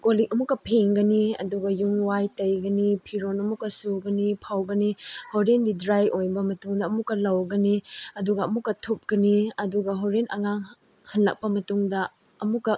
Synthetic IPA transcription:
kolik̚ɐmukːɐpʰeŋɡɐniɐ̰duɡɐjuŋwajtɐjɡɐnipʰiɾonɐmukːɐsuɡɐnipʰawɡɐnihoɾendidɾajʔojbɐmɐtuŋdɐɐmukːɐlɐwɡɐniɐduɡɐɐmukːɐtʰup̚ɡ̥ɐniɐduɡɐɦoɾenʔɐ̰ŋaŋ | hɐnlɐ̰k̚pɐmɐtuŋdɐ | ɐmukːɐ

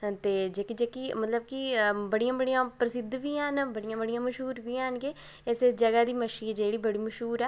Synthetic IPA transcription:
t̪eːd͡ʒeːkid͡ʒeːkiːmət̪ləb̚kibəɽijãːbəɽijãːpɾəsɪd̪ʋiːaːnbəɽɪjãːbəɽijãːməʃɦuːɾʋiːaːnɡeː | ɪsed͡ʒəɡaːd̪iːməʃiːd͡ʒeːɽiːbəɽiːməʃɦuːɾɛː

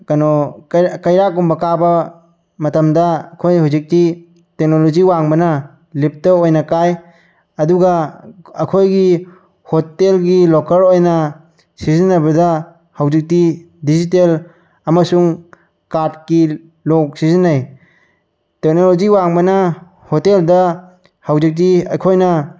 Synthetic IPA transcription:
kɐnɔkɐjɾakumbɐkabɐ | mɐtɐmdɐːkʰojhawzik̚ti | tek̚noloziwaŋbɐnɐ | lip̚tɐojnɐkaj | ɐduɡaɐkʰojɡi | hotelɡilɔkɐɾojnɐ | sizinːabɐda | hawzik̚ti | dizitel | ɐmasuŋ | kaɾtki | lok̚sizinaj | tek̚noloziwaŋbɐnɐ | hoteldɐ | hawzik̚tiɐ̰kʰojnɐ

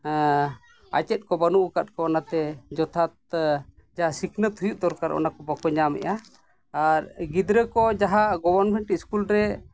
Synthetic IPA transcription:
a̰t͡ʃɛt̪̚kɔbanuʔukat̪̚kɔɔnat̪ɛd͡ʒɔt̪ʰat̪̚ | d͡ʒaɦasikʰnət̪ʰujuʔd̪ɔɾkaɾɔ̰nakɔbakɔɲamɛ̰ʔa | aɾɡid̪ɾəkɔd͡ʒaɦaɡɔbəɾnmɛɳʈiskulɾɛ

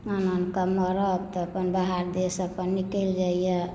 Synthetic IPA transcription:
ənankəmːɔɾəbt̪ɔəpənbaɦaɾd̪esəpənːikəɪld͡ʒaijɛ

